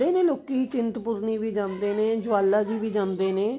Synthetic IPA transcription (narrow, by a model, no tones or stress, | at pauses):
eːnẽːloːkiːit͡ʃɪnt̪pʊɾniːbiːd͡ʒãːnd̪eːneːd͡ʒʊaːlːaːd͡ʒiːbiːd͡ʒãːnd̪eːnẽː